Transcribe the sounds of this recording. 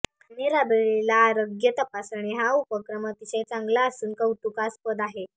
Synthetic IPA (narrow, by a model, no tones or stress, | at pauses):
aniɾabeɭelaɾəɡjət̪əpasaɳ̃iɦaupəkɾəmət̪iɕẽt͡sãŋɡlaːsuːnkəwt̪ukaspəd̪aɦe